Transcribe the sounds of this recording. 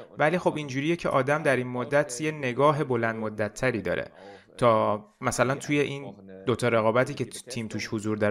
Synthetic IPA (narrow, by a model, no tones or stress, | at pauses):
væliːxo̞bind͡ʒuːɾijecʰeʔɒːd̪æmd̪æɾinmod̪ːæt̪ʰjene̞ɡɒːɦe̞bo̞lænd̪mod̪ːæt̪ʰːæɾiːd̪ɒ̰ːɾʔḛt̪ʰɒːmæsælænt̪ʰuje̞ʔind̪ot̪ʰɒːɾeɣɒːbæt̪iːcʰe̞t̪ʰiːmt̪ʰuʃhozuɾd̪ɒ